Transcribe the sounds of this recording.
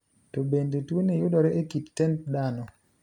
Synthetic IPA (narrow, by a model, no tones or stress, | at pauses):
tɔbendetwonejʊdɔɾɛʔekitːɛntdanɔ